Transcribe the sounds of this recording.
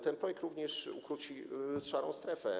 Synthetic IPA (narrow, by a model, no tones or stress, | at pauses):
t̪ɛnpɾɔjɛk̚t̪ɾuvɲɛʂukɾut͡ɕisʂaɾɔ̰̃w̃st̪ɾɛfɛ